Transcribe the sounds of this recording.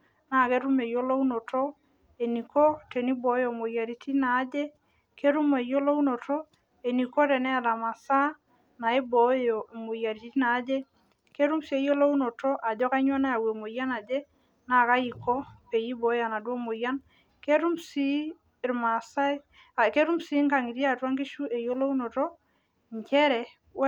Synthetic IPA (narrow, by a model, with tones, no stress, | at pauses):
na˦˨ke˦ɾu˦me˨jo˦lo˦u˦no˨to˦ | e˨ni˨ko˦te˨ni˦bo˨˦jo˨mo˨ja˨ɾi˨tʰi˦naː˨˦d͡ʒe˦ | ke˦ɾu˦me˨jo˦lo˦u˦no˨tɔ˦ | e˨ni˨ko˦tɛ˨nɛ˦a˨da˨ma˨sa˦ | na˨i˦bo˨jo˨mo˨ja˨ɾi˨ti˦naː˨˦d͡ʒe˦ | ke˦ɾu˦msi˦e˦jo˦lo˦u˦nɔ˨tɔ˦ʔa˨d͡ʒɔ˦ka˦ɲwa˦na˦a˨we˨mo˨ja˦na˨d͡ʒe˦ | na˨ka˦i˨kɔ˦pe˨ji˦bɔ˨˦ja˨na˨do˦mo˨ja˦n | ke˦ɾu˦msi˦˨ | ɾma˨sa˦e˦ | a˨ke˦ɾu˦msi˦ŋɡa˨ŋi˨ɾja˦˨twa˦ŋɡi˦ʃu˦e˨jo˦lo˦u˦no˨tɔ˦ | ɲt͡ʃɛ˦ɾɛ˨ | w